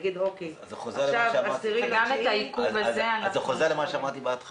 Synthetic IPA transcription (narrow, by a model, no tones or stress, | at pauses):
ɡid̪okezeχozeʁʃavasiʁimɡamet̪aikuvazeanzeχozeʁlemaʃeamaʁt̪ibeat̪χ